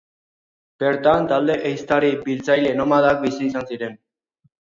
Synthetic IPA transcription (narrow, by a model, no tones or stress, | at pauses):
b̥e̞ɾt̪ant̪ald̪e̞ʔejst̪aɾibilt͡sajle̞nomaðak̚bisiːsansiɾe̞n